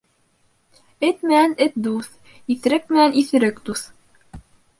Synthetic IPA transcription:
ɘt̪mɘ̆nænɘt̪̚d̪uθ | iθɘ̆ɾɘk̚mɘ̆næniθɘ̆ɾɘkd̪uθ

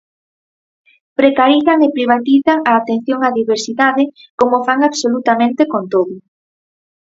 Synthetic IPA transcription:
pɾekaɾiθaŋepɾiβ̞at̪iθaŋaːt̪en̟θjoŋaðiβeɾsiðaðɪkomofaŋaβsolut̪amẽnt̪ekont̪oðʊ

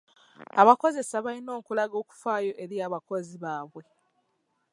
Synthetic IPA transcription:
aβako̞ze̞saβalino̞ːkulaɡo̞ːku̥faːjo̞ʔeɾijaːβako̞ziβaːβwe̞

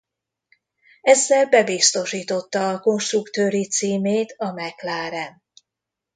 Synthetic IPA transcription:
ɛzːɛlbɛbist̪o̞ʃiːt̪o̞t̪ːɒːko̞nʃt̪rukt̪øːɾit̪siːmeːt̪ɒmɛklaːɾɛn

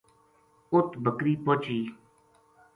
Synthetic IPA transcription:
ʊt̪bʱəkɾiːpoːt͡ʃiː

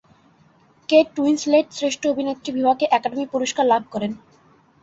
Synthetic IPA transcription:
keʈːuinsleʈsɾeʃʈʰoobʱinet̪ːɾibʱibʱakeʔɛkaɖemipuɾoʃkaɾlab̚ʱkɔɾen

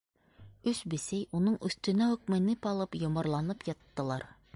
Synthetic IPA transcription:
ɵsbɘ̆sæjunɤɴʔɵ̆θt̪ɵ̆næɵ̆k̚mɘ̆nɘpɒlˠɤpjŏmɑɾlˠɑnɤpjɑt̪ːɤ̆lˠɑɾ

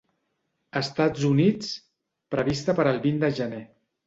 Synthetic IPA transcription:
əst̪ad͡zunit͡s | pɾəβ̞ist̪əpəɾəlˠβind̪əʒəne

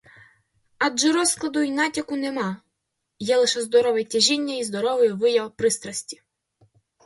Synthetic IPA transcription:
ɑdʒɛɾɔsklˠɐd̪ʊinɑtʲɐkʊnemɑ | jɛlˠɪʃɛzd̪ɔɾɔʋɛtʲɐʒʲinʲːɐizd̪ɔɾɔʋɪjʋɪjɐwpɾɪst̪ɾɐsʲtʲi̥

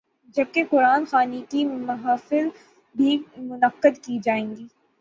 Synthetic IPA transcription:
d͡ʒɐb̚keqʊɾaːnxaːnikimɐɦaːfɪl | bʱimʊnəqːəd̪kid͡ʒaːẽːŋɡiː

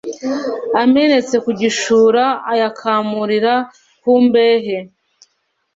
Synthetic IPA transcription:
ame̞ne̞t͡se̞kuɟiʃuːɾaːjakʰaːmuɾiɾa | huːmbeːɦe̞

